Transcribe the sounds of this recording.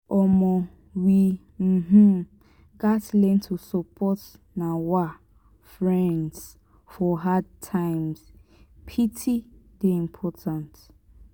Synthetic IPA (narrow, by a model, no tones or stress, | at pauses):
ɔmɔ | wi | m̩ɦ̩ | ɡatlɛ̃ntʰusɔpʰɔt | nawa | fɹɛ̃nds | fɔɦad̚tʰãɪ̃mspʰitʰideĩmpʰɔtʰãnt